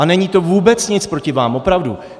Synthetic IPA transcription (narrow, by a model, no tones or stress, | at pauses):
anɛɲiːt̪o̞vuːbɛt͡sɲɪt͡spɾocɪvaːmʔo̞pɾavdu